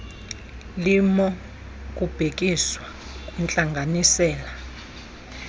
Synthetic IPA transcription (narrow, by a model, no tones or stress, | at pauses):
limɔ | k̬ʼub̥ʱek̬ʼiswa | kʼwɛnt͡ɬʼaŋɡʱanisɛːla